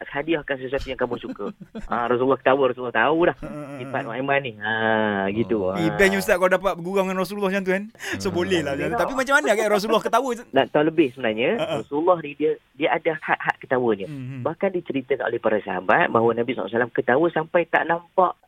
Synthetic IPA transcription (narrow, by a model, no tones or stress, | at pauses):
hadiahkansəsuat̪ujaŋkamʊhsukəʔəɾasulːɔhkə̥t̪awəɾɔsulːɔht̪aulahsipa̰ʔ̪ɔamanːiəɡit̪uəibɛɲusaʔkaladap̬at̪̚bəɡuɡaŋanras̬uulːɔhd͡ʒant̪uansobolɛhlad͡ʒat̪t̪apimat͡ʃamːanəaɡaʔɾas̬ulːɔhkət̪awənat̪auləbɪhsəbənarɲə̃rɔsulːɔhnidiədiəʔadahaʔhaʔkə̥t̪awəɲəbahkandit͡ʃəɾit̪əkanʔo̰lehpaɾasəɦabat̪̚baɦwənabisa̰salamkət̪awəsampajt̪a̰ʔnampaʔ